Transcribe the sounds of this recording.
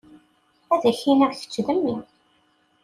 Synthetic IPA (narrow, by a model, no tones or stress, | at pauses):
æðæçinəʁθə̥t͡ʃːðəmːi